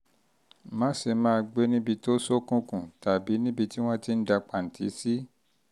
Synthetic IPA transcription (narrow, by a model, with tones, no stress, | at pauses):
mã˦se˧mãː˦˧ɡ͡be˦nĩ˦bi˧to˦so˦kũ˦kũ˨ta˨bi˨˦nĩ˦bi˧ti˦w̃ɔ̃˦ti˦n̩˦da˧k͡pa˨n̩˨tʰi˨˦si˦